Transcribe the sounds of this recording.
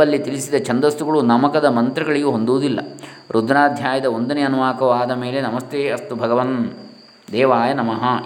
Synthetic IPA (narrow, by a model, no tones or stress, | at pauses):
ɐlːit̪ilisid̪ɐt͡ʃɐnd̪ɐst̪uɡɐɭunɐmɐkɐd̪ɐmɐnt̪ɾɐɡɐɭiɡeɦo̞nd̪uʋːd̪ilːɐ̰ | ɾʔud̪ʱnaːd̪ʱjaːjɐd̪ɐond̪ɐneɐnuʋaːkɐʋaːd̪ɐmeːlenɐmɐst̪eːɐst̪ubʱɐɡɐʋɐn | d̪ɛːʋaːjɐnɐmɐɦɐ